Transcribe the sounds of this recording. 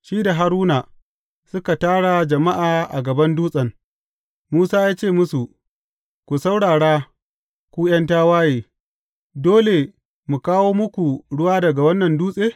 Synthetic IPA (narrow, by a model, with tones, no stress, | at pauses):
ʃiː˦da˨ɦa˨ɾuː˦na˨ | sʊ˦ka˨taː˦ɽa˨d͡ʒɐ˨ma˦ʔaː˨ʔa̰˨ɡɐ˨bɐ˦nduː˦sʼɐ˨ŋ | muː˦saː˦jaː˦t͡ʃeː˦˨mʊ˦su˨ʔ | kʷu˨sa˦wɽaː˨ɽaː˦ | kʷuː˦j̰ɐ˦ntaː˦waː˦jeː˨ | doː˦le˨ | mu˨kaː˦woː˦mʊ˦kʷu˨ɽʊ˦waː˦dɐ˨ɡa˨wɐ˦nːɐ˨nduː˦sʼeː˦